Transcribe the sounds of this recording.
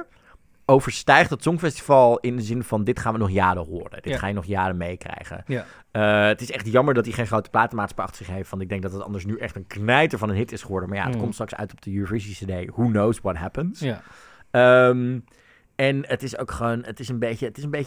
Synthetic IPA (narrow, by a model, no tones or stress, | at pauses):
owvəɹstɛjχtətsɔŋfɛsti̥vɑlˠɪndəzɪnvɑndɪtχaːnʋənɔχjaːdəɦʊːrə̰d̥ɪtχaːjənɔχjaːdəmejkrɛ̰jχə̰n | əətɪsɛχtjɑməɹdɑt̚diχejnχrowtəplaːtəmaːtspɑ̰χtə̥sɪχɦejftʋɑntɪɡ̚dɛŋk̚dɑtətɑ̰ndəɹs̬nyʔɛχtənknɛjtəɹvɑnənɦɪtɪsχəʋɔɹdəmaːja̰ətkɔmtstrɑksœ̰ɥtɔb̚dəjunivɜɹsitisədejhunowswɔt̚ɦɛpəns | əm | ɛnətɪsowkχəonətɪsənbejçəətɪs̬ənbej